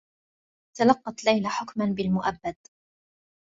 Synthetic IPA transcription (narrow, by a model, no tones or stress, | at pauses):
t̪alɑqːɑt̪lajlaħʊkmanbɪlmʊʔabːad̪